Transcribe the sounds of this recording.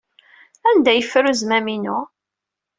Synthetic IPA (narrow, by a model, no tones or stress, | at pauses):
ænd̪æjəfːɾuzmæminʊ